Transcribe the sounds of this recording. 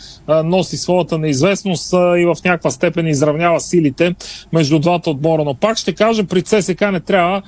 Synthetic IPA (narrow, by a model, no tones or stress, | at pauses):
nɔsisvˠɔət̪ənɐizvɛsnost̪ivɐfnʲakvəst̪ɛpɛnizɾɐvnʲjavəsilit̪ɛmɛʒd̪ud̪vat̪ɐod̪̚mɔɾənopakʃt̪ɛkaʒəpɾit̪sɛsɛkanɛt̪ɾʲavə